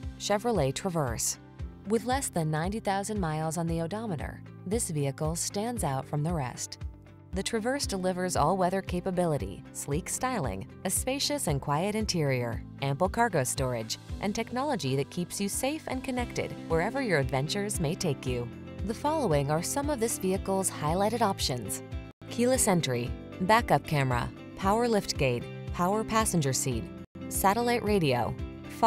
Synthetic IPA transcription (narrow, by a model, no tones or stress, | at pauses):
ʃɛvɹəleɪtʰɹ̥əvɜ˞s | wɨðlɛsðɨ̃nːãɪ̃ntiθaʊzɨ̃nmaɪlˠzn̩ðioʊdɑməɾə̰˞ | ðɪsviɨkl̩ˠstæ̃ndzaʊtfɹʌ̃mðəɹɛ̰st | ðɨtʰɹ̥ɨvɜ˞sd̥əlɪvə˞zɔ̰lˠwɛðə˞kʰeɪpəbɪlˠəɾḭslikstaɪlˠɪ̰̃ŋ | ɨspeɪʃɨsɨ̃nkʰw̥aɪɨɾɨ̃ntʰɪɹiə̰˞ʔæ̃mpl̩ˠkʰɑɹɡoʊstɔɹɪ̰d͡ʒʔɨ̰̃ntʰɛk̚nɑlˠəd͡ʒiðɨt̚kʰipsjɨseɪfɨ̰̃nkʰɨnɛk̚tɨ̰d̚wə˞ɛvə˞jə˞ɨdvɛ̃nt͡ʃə˞zmeɪtʰeɪkjʉ | ðəfɑlˠoʊɪ̃ŋə˞sʌ̃mʌvðɪsviɨkl̩ˠz̥haɪlaɪɾɨɾɑpʃɨ̃nz̥ | kʰʉlˠəsɛ̃ntɹi | bækʌp̚kʰæmə̰ | pʰaʊə˞lɪft̚ɡ̥eɪt̚ | pʰaʊə˞pʰæsɨ̃nd͡ʒə˞sid̚ | sæɾəlaɪʔɹʔeɪɾio̰ʊ | f